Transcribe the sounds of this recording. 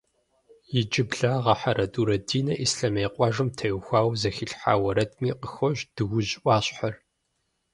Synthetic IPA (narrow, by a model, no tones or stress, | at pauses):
jɪd͡ʒʼɪbɮaːʁɐħaɾɐdʼuːɾɐdiːnɐʔisɬɐmeːqʷʼɑːʒɨmtʰɐjxʷaːwzɐxiɬħa̰ːwɐɾɐtʰmiːqəxɔʑd̥ɨwʷʊʑʔʷaːɕʼħɐr